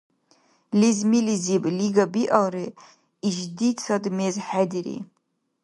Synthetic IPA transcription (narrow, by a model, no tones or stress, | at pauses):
lizmilizibʼliɡabiʔawri | iʒdit͡sʰadmezħadiɾḭ